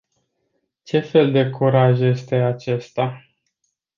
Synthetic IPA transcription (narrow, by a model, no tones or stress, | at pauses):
t͡ʃe̞fe̞ld̪e̞kuɾaʒje̞st̪e̞at͡ʃe̞st̪a